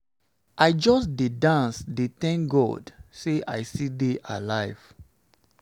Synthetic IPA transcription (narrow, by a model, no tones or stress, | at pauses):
ʔaɪd͡ʒɔsdedãnsdet̪ɛ̃ŋkɡɔ̰dseʔaɪsideʔa̰laɪv̥